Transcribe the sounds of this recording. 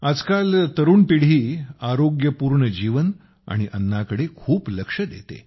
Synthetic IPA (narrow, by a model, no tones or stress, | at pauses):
ad͡zkalt̪əɾuːnpiɽ̤iːaɾoɡjəpuːɾɳəd͡ʑiʋən | a̰ɽ̃iʔənːakəɽekʰuːpləkʂəd̪ḛt̪ḛ